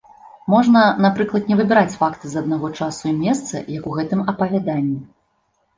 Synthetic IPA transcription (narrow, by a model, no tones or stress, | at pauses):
mɔʐnɐnapɾɨklˠɐt̪nʲɛvɨbʲɛɾat͡sʲfakt̪ɨzɐd̪̚naɣɔt͡ʂasuimʲɛst̪sɐ̰jɐkuɣɛt̪ɨmɐpɐvʲad̪anʲːi